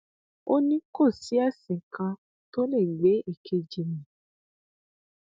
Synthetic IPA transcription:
o˦nĩ˦ko˦˨si˨˦ɛ˦˨sĩ˨kã˧ | to˦le˦˨ɡ͡be˨˦e˦˨kʰe˧d͡ʒi˨mĩ˨

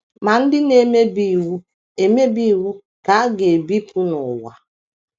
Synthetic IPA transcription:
ma˨n̩˦dɪ˦ne˦me˦bi˦˨wu˦ | e˨me˦bi˦˨wu˦ | ka˨˦a˦ɡe˨bi˦pu˦nʊ˨wa̰˨

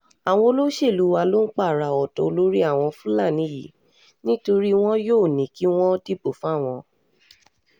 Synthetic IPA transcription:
a˨w̃ɔ̃˧o˧lo˦ʃe˦˨lu˨˦wa˧lo˦n̩˦k͡pa˦˨ɾa˨ɔ˨tɔ˨o˧lo˦ɾi˦a˦˨w̃ɔ̃˧fũ˦la˦˨nĩ˨˦jḭ˨ | nĩ˦to˧ɾi˦w̃ɔ̃˦joː˦˨nĩ˨ki˦w̃ɔ̃˦ti˦bo˦˨fũ˦a˦˨w̃ɔ̃˧

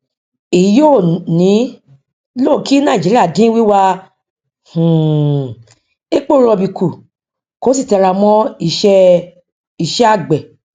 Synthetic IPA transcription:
e˨˦jo˦˨nĩ˨˦ | lo˦˨ki˦nãː˦˨d͡ʒi˨˦ɾi˦a˦˨dĩ˦wi˦wa˧ | h̩˨ | e˦k͡po˦ɾ̃ɔ̃˧˨bi˨kʰu˨ | ko˨˦s̬i˦˨tɛ˧ɾa˧mɔ̃˧˦i˨ʃɛ˧ | i˨ʃɛ˧˦a˦˨ɡ͡bɛ˨

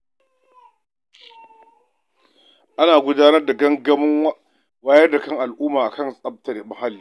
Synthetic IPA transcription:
ʔa˦naː˨ɡʷʊ˦daː˦nɐ˦rda˨ɡɐ˦ŋɡɐ˦mɪ˦ŋ˦ | waː˦jɐ˦rda˨kɐ˦ŋʔa˨lʔʊː˦maː˨ʔa˨kɐ˦˨nsʼɐ˦b̚tɐ˨de˨mɐ˨ha˦lːiː˨

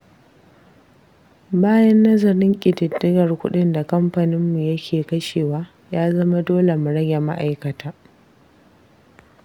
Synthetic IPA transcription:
baː˦jɐ˦nːɐ˦zɐ˨ɾɪ˦ŋkʲʼɪ˨tɪ˨dːɪ˦ɡɐ˨rkʷʊ̰˦ɗɪ˦nda˨kɐ˦mɸa˨nɪ˦mːu˨jɐ˦kʲʰeː˨kɐ˦ʃeː˨waː˦ | jaː˦zɐ˦ma˦doː˦le˨mʊ˨ɽɐ˦ɡʲe˨ma̰˦ʔa˨jkɐ˨tʰaː˦

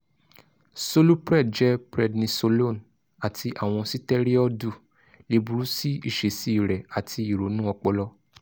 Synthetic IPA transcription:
so˧lu˦pɾɛ˦˨d̚d͡ʒɛ˦pɾɛ˦˨dnĩ˧so˧lo˦˨n | a˨tʰi˧ʔa˨w̃ɔ̃˧si˦tɛ˦ɾi˦ɔ˦du˦˨ | le˧bu˧ɾu˦si˦ḭ˦˨ʃe˨si˦i˨ɾɛ˨a˨tʰi˧i˨ɾo˨˦nũ˦ɔ˧k͡pɔ˧lɔ˦

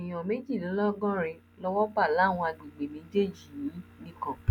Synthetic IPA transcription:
i˨j̃ɔ̃˨me˦d͡ʒi˦˨lɔ˨˦lɔ˦ɡɔ̃˦ɾe˧ | lɔ˧wɔ˦ba˦˨la˨˦˨w̃ɔ̃˧a˧˨ɡ͡bi˨ɡ͡be˨nĩ˨˦d͡ʒe˦˨d͡ʒi˨ĩ˨˦nĩ˧kɔ̃˨

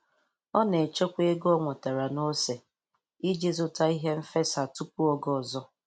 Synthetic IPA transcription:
ɔ˦ne˨t͡ʃe˦kʷe˦ɡɔ˦ŋʷɔ˨ta˨ɾa˨no˦se˨ | i˦d͡ʒe˦zʊ˨ta˦i˦ɦe˦m̩˦fe˦sa˨tu˦pu˦ɔ˦ɡɔ˨zɔ˦

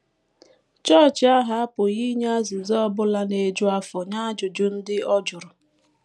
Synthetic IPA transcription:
t͡ʃɔ˦˨t͡ʃa˦ɦa˦a˦pʊ˨ɣi˦ɲ˦a˦zi˨zɔ˦bʊ˦la˦ne˨d͡ʒʊ˦a˦fɔ˨ɲa˦d͡ʒʊ˨d͡ʒʊ˦n̩˦dɪ˦ɔ˦d͡ʒʊ˨ɾʊ˨

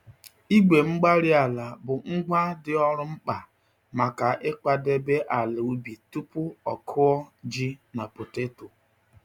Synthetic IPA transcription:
i˦ɡ͡be˨ŋ͡m̩˦ɡ͡ba˦ɾɪ˦a˨la˨bʊ˨ŋ͡m̩˦ɡ͡ba˦dɪ˦ɔ˦ɾʊ˦ŋ͡m̩˦k͡pa˨ | ma˨ka˨ʔɪ˦k͡pa˨de˦be˦ʔa˨lɪ˨u˦bi˨tu˦pʊ˦ɔ̰˨kʰʊ˦ɔ˦d͡ʒi˦na˨pʊ˨te˦to˨

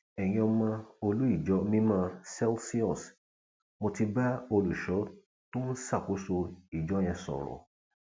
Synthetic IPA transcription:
ɛ˨j̃ɔ̃˧mã˧o˧lu˨˦i˦˨d͡ʒɔ˨˦mĩ˦mã˧sɛ˦lsi˦ɔ˦˨s | mo˧ti˧ba˦o˧lu˨ʃɔ˨˦ | to˦n̩˦sa˦˨ko˨˦so˧i˨d͡ʒɔ˨˦j̃ɛ̃˧sɔ̰˨ɾɔ̰˨

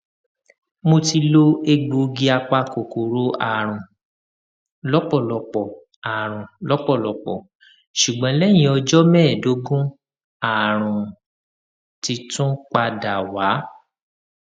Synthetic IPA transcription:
mo˧ti˧lo˦e˧ɡ͡bo˨˧ɡi˧a˧k͡pa˧ko˨ko˨ɾo˦a˨ɾ̃ũ˨ | lɔ˨˦k͡pɔ˦˨lɔ˨k͡pɔ˨ | a˨ɾ̃ũ˨lɔ˨˦k͡pɔ˦˨lɔ˨k͡pɔ˨ | ʃu˨ɡ͡bɔ̃˨˦lɛ˦j̃ĩ˧ɔ˧d͡ʒɔ˦mɛː˦˨do˨˦ɡũ˦ | a˨ɾ̃ũ˨ | ti˧tũ˦k͡pa˧da˨wa˨˦

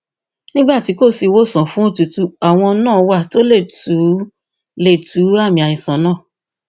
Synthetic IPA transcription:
nĩ˦ɡ͡ba˦˨ti˨˦ko˦˨si˧˦wo˦˨sɔ̃˨fũ˦o˦tu˨tu˦a˨w̃ɔ̃˧nãː˦˨˦wa˦to˦le˦˨tu˨˦ | le˨tu˨˦a˦˨mĩ˨a˨ɲĩ˨sɔ̃˨nãː˦˨

